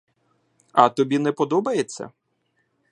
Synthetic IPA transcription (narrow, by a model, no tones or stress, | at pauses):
ɐt̪ɔbʲinɛpɔd̪ɔbɐjet͡sʲːɐ̰